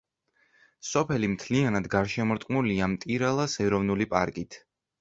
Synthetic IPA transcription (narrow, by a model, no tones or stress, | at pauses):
sɔpʰɛlimt̪ʰlianad̪ɡaɾʃɛmɔɾt̪ʼqʼnuliamt̪ʼiɾalˠasɛɾɔvnulipʼaɾkʼit̪ʰ